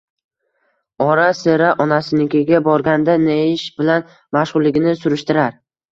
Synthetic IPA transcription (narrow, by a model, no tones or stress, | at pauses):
ɒɾaseɾaʔɒnasɪnɪkʲʰeɡʲabɒɾɡʲand̪aneɪʃbɪlan | maʃʁʊlˠːɪɡʲɪnɪsʊɾɪʃt̪ɪɾaɾ